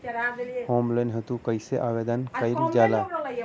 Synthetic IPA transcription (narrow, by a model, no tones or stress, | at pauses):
hoːmlẽnɦət̪ukəɪseʔaːʋed̪ənkaɪld͡ʒaːla